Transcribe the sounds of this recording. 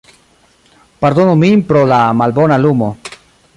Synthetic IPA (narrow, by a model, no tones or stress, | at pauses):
paɾd̪onuminpɾolamalbonalumo